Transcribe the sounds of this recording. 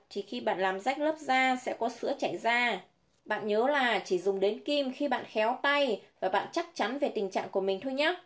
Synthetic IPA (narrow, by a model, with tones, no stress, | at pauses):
t͡ɕi˧˨˩xi˧ɓa̰ː˧˨nlaː˨˩mza˦˥jk̚ləː˦˥p̚zaː˧sɛ̰˧˥kɔ˨˦sɨ˨˧˥ət͡ɕa˧˩jzaː˧ | ɓa̰ː˧˨nɲəː˨˦laː˨˩t͡ɕi˧˩zʊ˨˩ŋ͡mɗe˨˦nki˧mxi˧ɓa̰ː˧˨nxɛ˨˦wt̪a˧jvaː˨˩ɓa̰ː˧˨nt͡ɕa˦˥k̚t͡ɕa˨˦nve˨˩t̪ï˨˩ŋ̟t͡ɕa̰ː˧˨ŋku˧˩əmï˨˩ŋ̟t̪ʰo˧jɲa˦˥